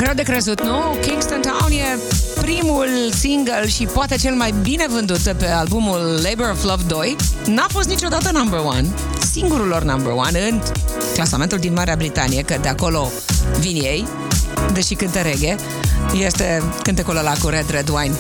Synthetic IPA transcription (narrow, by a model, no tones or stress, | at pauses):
ɡɾewd̪e̞kɾezut̪nukiŋɡst̪ənt̪awnje | pɾimulsiŋɡəlʃipoat̪e̞t͡ʃe̞lmajbine̞vɨnd̪ut̪pealbumulːejbeɾovləvd̪o̞jnafo̞st̪nit͡ʃo̞d̪at̪ənambərwa̰n | siŋɡuɾulornambəɾwa̰nɨn | klasame̞nt̪uld̪inmaɾeabɾit̪a̰nijekəd̪eako̞lo̞ | vinjej | d̪eʃikɨnt̪əɾeɡʲe | je̞st̪ekɨnt̪ekololakuɾed̪ɾed̪uwajn